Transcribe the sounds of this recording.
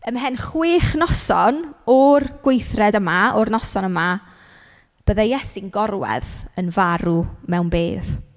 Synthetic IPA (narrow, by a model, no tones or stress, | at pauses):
əmɦɛnχwɪːχnɔsɔnɔrɡ̥wejθrɛdəmaɔrnɔsɔnəma | b̥əðajɛsɪnɡɔrwɛ̰ðənvaɾumɛwnbeːð